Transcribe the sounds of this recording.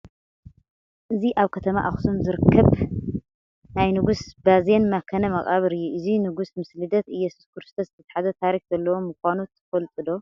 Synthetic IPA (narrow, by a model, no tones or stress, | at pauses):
ʔɨziʔaβkʰɐt̪ʰɐma̰ʔaxsumzɨɾɨkʰːɐβ | najnɨɡusbaze̞nmɐkʰɐnɐmɐɣʼaβɨɾɨjːuʔɨzinɨɡusmɨslɨd̪ɐt̪ɨjɛsu̥skʰɨɾɨst̪ʰɐszɨt̪ʰɐt̪ħazɐt̪ʰaɾixzɐlːɐwomɨkʷanot̪ʰːɨ̥fɐlt̪ʼɨd̪o̞